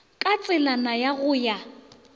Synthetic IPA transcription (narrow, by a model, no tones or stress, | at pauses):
kʼat͡sʼɪlanajaɣʊːja